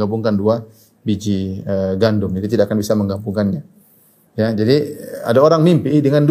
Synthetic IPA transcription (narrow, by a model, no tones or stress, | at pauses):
ambuŋkandua | bid͡ʒiəɡandʊmd͡ʒadit̪̬idaʔkanbisaməŋɡambuŋkanɲa | jad͡ʒadia̰daoɾaŋmimpidəŋand